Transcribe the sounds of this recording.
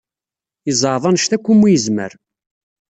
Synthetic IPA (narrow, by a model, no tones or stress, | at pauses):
əzˤəʕðˤɑnəʃt̪ækʷːumːujəzmə̰ɾ